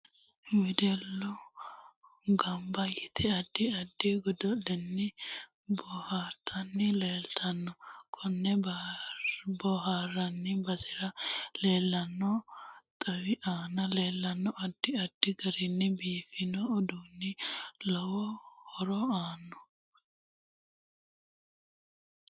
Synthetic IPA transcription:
mɪd̪ɛlːɔ | ɡɐmbɐjɪt̪ʰɛɐd̪ːɪɐd̪ːɪɡɔd̪ɔlɛnːɪ | bɔhaːɾt̪ʰɐnːɪleːlt̪ʰɐnːɔkʰɔnːɛb | bɔhaɾɐnːɪbɐsɪɾɐle̞ːlːɐnːɔt̪ʼɐwɪʔaːnɐle̞ːlːɐnːɔʔɐd̪̥ːɪɐd̪̥ːɪɡɐɾɪnːɪbiːfɪnɔɔd̪uːnːɪlɔwɔhɔɾɔaːnːɔ̥

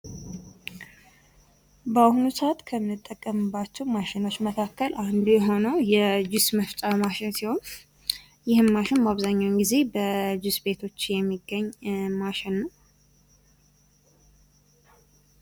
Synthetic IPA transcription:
bəahunusat̪kʰəmːɨt̪ʼːəkʼːəmɨbːat͡ʃːɛwmaʃɪno̞t͡ʃːməkʰakːəlʔand̪ujɛɦo̞nəwjɛd͡ʒɪsməft͡ʃʼamaʃɪnsiho̞n | jɪhɨnmaʃɪnmaβzaɲːawnɡize̞bəd͡ʒɪsbe̞t̪ʰo̞t͡ʃːjɛmːiɡːəɲːmaʃɛnːəw

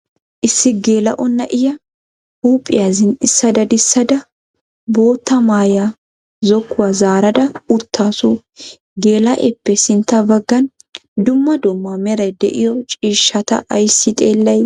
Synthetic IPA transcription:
ʔɪsːɪɡeːlɐ̰ʔɔnːɐʔɪjɐ | huːpʼːɪ̰jazɪnɪsːɐd̪ɐd̪ɪsːɐd̪ɐ | bo̞ːt̪ːɐmaːja | zɔkːʊwazaːɾɐd̪ɐʊt̪ʰːaːsu | ɡeːlɐʔɛpːɛsɪnt̪ːɐbɐɡːɐn | d̪ʊmːɐd̪ʊmːɐmɛɾɐjd̪ɛ̰ʔɪjɔt͡ʃʼiːʃːɐt̪ɐ̰ʔɐjsːɪt̪ʼeːlːɐj

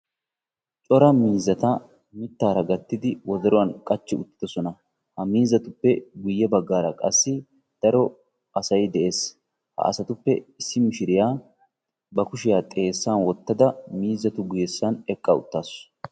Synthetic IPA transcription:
t͡ʃʼɔɾɐmiːzɐt̪ɐ | mɪt̪ːaːɾɐɡɐt̪ːɪd̪ɪwɔd̪ɛɾɔwɐnkʼɐt͡ʃːɪʊt̪ːɪ̥d̪ɔsɔnɐ | hɐmiːzːɐt̪ʊpːɛɡʊjːɛbɐɡːaːɾɐkʼɐsːɪ | d̪̥ɐɾɔ | ɐsɐjd̪ɛʔe̞ːs | hɐ̰ʔɐ̰sɐt̪ʊpːɛɪsːɪmɪʃɪɾɪjaː | bɐkʊʃɪjaːt̪ʼe̞ːsːanwɔt̪ːɐd̪ɐmiːzːɐt̪ʊɡʊjɛsːɐnɛkʼːɐʊ̰t̪ːaːs

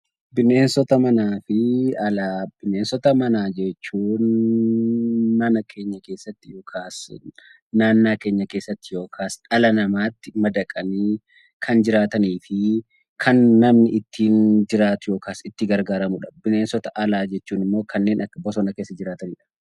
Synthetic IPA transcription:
bɪne̞ːnsɔt̪ɐmɐnaːfɪɐlaːb̥ɪneːnsɔt̪ɐmɐnaːd͡ʒɛt͡ʃːuːn | ɐnɐkʰe̞ːɲːɐke̞ːsːɐt̪ːɪjo̞ːkʰaːs | naːnːaːke̞ːɲːɐke̞ːsːɐt̪ːɪjo̞ːkʰaːsᶑɐlɐnɐmaːt̪ːɪmɐd̪ɐkʼɐniː | kʰɐnd͡ʒɪɾaːt̪ɐniːfɪ | kʰɐnːɐmnɪʔɪt̪ʰːiːnd͡ʒɪɾaːt̪ʊjo̞ːkaːsɪt̪ːɪɡɐɾɡaːɾɐmʊᶑɐ̥bɪne̞ːnsɔt̪ɐʔɐlaːd͡ʒɛt͡ʃːuːnɪmːo̞ːkʰɐnːe̞ːnʔɐkːɐbɔsɔnɐke̞ːsːɐd͡ʒɪɾaːt̪ɐniːᶑɐ̥

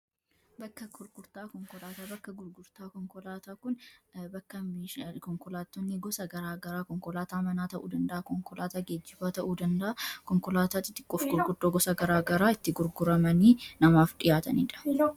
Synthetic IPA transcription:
bɐkːɐkʊɾɡʊɾt̪aːkɔŋkɔlaːt̪aːbɐkːɐɡʊɾɡʊɾt̪aːkɔŋkɔlaːt̪aːkʊnbɐkːɐmikɔŋkɔlaːt̪ːɔnːɪɡɔsɐɡɐɾaːɡɐɾaːkɔŋkɔlaːt̪aːmɐnaːt̪ɐʔuːd̪ɐnd̪ɐʔɐkɔŋkɔlaːt̪aːɡed͡ʒːɪbaːt̪ɐʔuːd̪ɐnd̪ɐʔɐkɔŋkɔlaːt̪aːt̪ɪt̪ːɪ̥kʼːɔfɡʊɾɡʊɾd̪oːɡɔsɐɡɐɾaːɡɐɾaːɪt̪ːɪɡʊɾɡʊɾɐmɐniːnɐmaːfᶑɪjaːt̪ɐnḭːᶑɐ̥

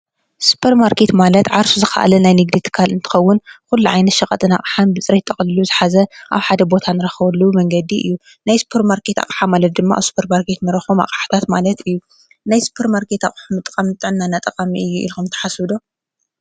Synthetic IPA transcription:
su̥pʰɐɾmaɾkʰe̞t̪malɐt̪ʕaɾsuzɨxɐ̰ʔa̰lɐnajnɨɡd̪it̪ʰɨ̥kʰalɨnt̪ʰɨ̥xɐwːʊnkulːuʕajnɐt̪ʃɐkʼɐt̪ʼɨna̰χʼħanbɨt͡sʼɾet̪ʰʼːɐχʼlɨluzɨħazɐʔa̰βħad̪ɐbo̞t̪ʰanɨɾɐxɐβɐlːumɐŋɡɐd̪iʔɨ̰jːu | najsu̥pʰeɾmaɾkʰet̪a̰qʼħamalɐt̪̚d̪ɨmːaʔa̰βsu̥pʰɐɾmaɾkʰet̪nɐɾɐxoma̰qʼħḁt̪ʰat̪malɐt̪ɨjːu | najsu̥pʰeɾmaɾkʰe̞t̪a̰χʼħumɨt̪ʼkʼamnɨt̪ʼːɨʕɨnːanːat̪ʼɐqʼamiʔɨjːuʔḭlxumt̪ʰɐ̥ħasɨd̪o

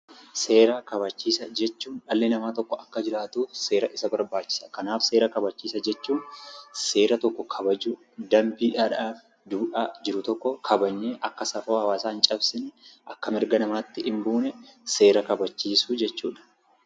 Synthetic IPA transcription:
se̞ːɾɐkɐβɐt͡ʃːiːsɐd͡ʒɛt͡ʃːuːnᶑɐlːenɐmaːt̪ɔkːɔɐkːɐd͡ʒɪɾaːt̪uːse̞ːɾɐʔɪsɐbɐɾbaːt͡ʃːɪ̥sɐ̥kɐnaːfse̞ːɾɐkɐbɐt͡ʃːiːsɐd͡ʒɛt͡ʃːuːnse̞ːɾɐt̪ɔkːɔkʰɐbɐd͡ʒu | d̪ɐmbiːᶑaːᶑaːf | d̪uːᶑaːd͡ʒɪɾʊt̪ɔkːɔkʰɐbɐɲːeːʔɐkːɐsɐfoːhɐwaːsaːnt͡ʃʼɐbsɪnʔɐkːɐmɪɾɡɐnɐmaːt̪ːɪʔɪmbuːnɛse̞ːɾɐkɐbɐt͡ʃːiːsuːd͡ʒɛt͡ʃːṵːᶑɐ̥

